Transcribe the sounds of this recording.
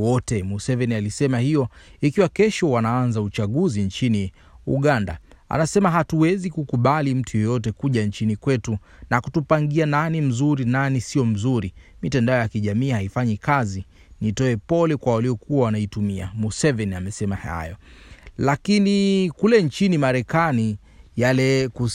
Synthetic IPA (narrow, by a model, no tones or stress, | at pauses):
wɔtɛmusɛvɛnialisɛmahijɔikiwakɛʃɔwanaanzaut͡ʃaɠuziɲt͡ʃini | ṵɠanda̰a̰nasɛmaɦatuwɛzikukuɓalim̩tʰujɔjɔt̬ɛkuʄant͡ʃinikwɛtu | nakutupaŋɡiananim̩zuɾinanisijɔm̩zuɾimitɛndaɔjakiʄamiːhaifaɲikazi | nitɔɛpɔlɛkwawaliɔkuawanaitumia̰musɛvɛniamɛsɛmaha̰jɔ | lakinikulɛnt͡ʃinimaɾɛkani | jalɛku